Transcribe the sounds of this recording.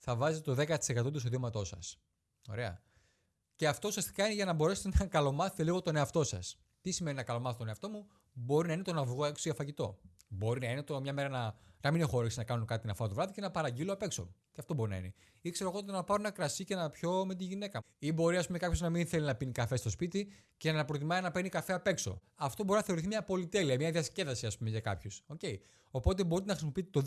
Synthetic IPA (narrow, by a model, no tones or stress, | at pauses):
θɐvɐzet̪et̪oðe̞kɐt̪i̥se̞kɐt̪o̞t̪ustoðiomɐt̪o̞sɐs | o̞̰ɾe̞ɐ̰ | ce̞ɐft̪o̞usiɐst̪i̥kɐineʝɐnɐbo̞ɾe̞set̪enɐkɐlo̞mɐθet̪e̞liɣo̞t̪o̞ne̞ɐft̪o̞sɐ̰s | t̪isimeninɐkɐlo̞mɐθt̪oneɐft̪o̞mu | bo̞ɾinɐine̞t̪o̞nɐvɣoe̞ksoʝɐfɐʝit̪o̞̰ | bo̞ɾinɐinet̪omɲɐme̞ɾɐnɐnɐmine̞xoɾeksenɐkɐnunkɐt̪inɐfɐt̪ovɾɐðice̞nɐpɐɾɐɟiloɐpe̞kso̞̰t̪eɐft̪o̞bo̞ɾinɐ̰ḭne | ikse̞ɾoɣo̞t̪t̪onɐpɐɾonɐkɾɐsicenɐpço̞me̞t̪̬iʝine̞kɐ | ibo̞ɾiɐs̬pume̞kɐpço̞znɐminθelinɐpinikɐfe̞st̪o̞spit̪i | ce̞nɐpɾot̪imɐinɐpe̞nikɐfe̞ɐpe̞kso̞̰ | ɐft̪o̞bo̞ɾinɐθeo̞ɾiθimɲɐpo̞lit̪e̞liɐmɲɐðiɐsce̞ðɐsiɐspumeʝɐkɐ̰pçoso̞ce̞i | o̞po̞t̪̬e̞bo̞ɾit̪enɐxɾsimo̞piit̪et̪o